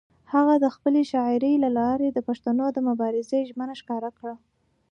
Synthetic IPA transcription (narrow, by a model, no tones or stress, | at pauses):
haɣad̪əxpəleʃɑɪɾəjlalɑɾed̪əpaʂt̪anod̪əmʊbɑɾɪzeʒmənaʃkɑɾakɽa